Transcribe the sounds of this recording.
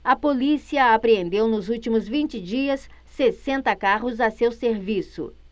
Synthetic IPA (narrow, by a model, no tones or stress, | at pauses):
ɐpolisiɐapɾeẽnd̪ewnʊzut͡ʃimʊzvĩnt͡ʃɪd͡ʒiɐsː | esẽnt̪ɐkaɦʊzɐsewseɾvisʊ̰